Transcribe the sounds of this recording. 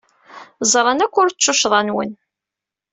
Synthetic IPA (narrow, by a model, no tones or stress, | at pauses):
zˤɾˤɑnækʷːʊɾt͡ʃːʊʃðˤɑnwə̰n